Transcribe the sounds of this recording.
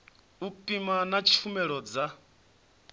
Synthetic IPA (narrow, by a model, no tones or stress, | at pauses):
upʼimanat͡ʃʰi̥fumɛɺɔd͡za